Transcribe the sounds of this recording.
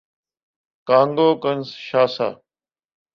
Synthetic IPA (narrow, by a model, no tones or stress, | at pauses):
kãːŋɡoːkənsʃaːsa̰ː